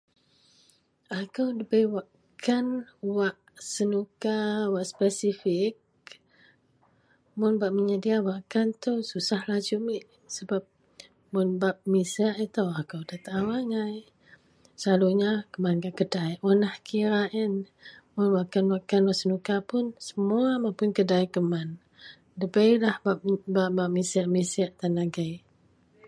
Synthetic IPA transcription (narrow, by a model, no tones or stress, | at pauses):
akəwdibewaʔ | kʰanwaʔ | sənukawaʔspɛsifɪk̚ | mʊnbaʔ̚məɲədiawaʔkant̪əwsusahlad͡ʒumiʔ | səbap̚ | mʊnbap̚misaʔit̪awakawdat̪aʔawaŋaj | səlaluɲakəmanɡaʔkədajʔonahkʰiɾaʔɛn | mʊnwaʔkanwaʔkanwasənukapʊnsə̥muamapʊnkədajkəman | dəbəjlahbap̚baʔbaʔ̚misiaʔmisiaʔt̪anaɡaj